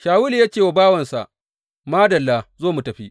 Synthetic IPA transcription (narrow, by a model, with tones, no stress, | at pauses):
ʃaː˨wu˦li˨ja˦t͡ʃeː˨wa˨baː˦wɐ˨nsa̰˨ʔ | maː˦dɐ˨lːaː˦zoː˦˨mu˨tɐ˨ɸi˦ʔ